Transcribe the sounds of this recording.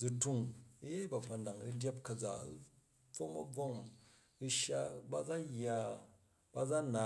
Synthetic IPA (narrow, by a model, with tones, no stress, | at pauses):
d͡zu˧tu˧ŋ˦je˦ba˨ɸa˨na˨ŋɾi˦dʲa˦p̚kɐ˧d͡za̰˨˦ | b͡vo˦ŋɐ̰˦b͡vo˦m˨ | ɾi˧ʃa˦ba˦d͡za˦ja˦ | b̥a˦d͡za˦na˨